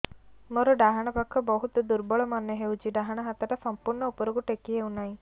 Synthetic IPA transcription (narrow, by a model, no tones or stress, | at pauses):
mɔɾuɖaɦaɳ̃apɐkʰːɔbɔɦut̪d̪uɾbɔɭɔmanːeɦeud͡ʒiɖaɦaɳaɦat̪aʈasɐmpuɾɳɔupɔɾuɡuʈekiɦeunaĩ